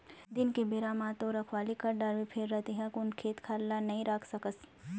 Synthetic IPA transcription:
d̪ɪnkebeːɾaːmaːt̪õɾɐkʰwaːlikɐɾɖaːɾʋepʰeːɾːɛɦt̪iɦɛ̃kʊnkʰeːt̪kʰaːlːanɐɦĩɾaːkʰsɐkəs

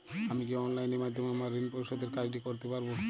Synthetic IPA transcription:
amikiɔnlajneɾmad̪ʱːomeamaɾinpoɾiʃɔd̪eɾkaʈikoɾt̪epaɾbo

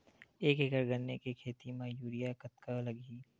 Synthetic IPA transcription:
eːkekəɾɡɐnːekekʰeːt̪imãjuːɾijakɐt̪̚kalɐɡiː

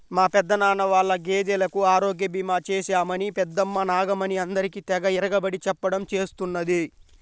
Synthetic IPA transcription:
maːpɛd̪ːɐnaːnɐʋaːɭːɐɡeːd̪ɛlɐkuaːɾo̞ːɡjɐbimaːt͡ʃeːʃaːmɐnipɛd̪ːɐmːɐnaːɡɐmɐniɐnd̪ɐɾikit̪ɛɡɐiɾɐɡɐbɐɽit͡ʃɛpːɐɽɐmt͡ʃeːst̪unːɐd̪i

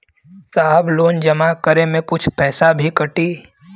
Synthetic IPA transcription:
saːbloːnd͡ʒɐmakəɾemẽkʊt͡ʃʰpɛːsabʱikəʈiː

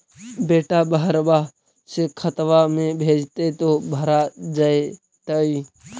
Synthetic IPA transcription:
beːʈaːbəɦəɾbaː | seːkʰət̪ʋaːmẽːbʱeːd͡ʒt̪eːt̪oːbʱəɾaːd͡ʒaːe | t̪əːiː

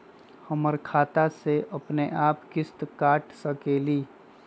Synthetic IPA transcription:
həməɾkʰaːt̪aseʔɐpneʔaːpkɪst̪kaːʈsəkeːliː

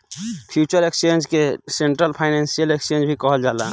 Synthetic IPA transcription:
pʰjut͡ʃəɾekst͡ʃend͡ʒkeseɳʈɾəlpʰaɪnensijəlekst͡ʃend͡ʒbʱikəɦəld͡ʒaːla

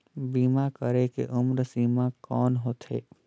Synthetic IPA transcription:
biːmakəɾekḛʔʊmɾsiːmãkɔːnɦoːt̪ɦḛː

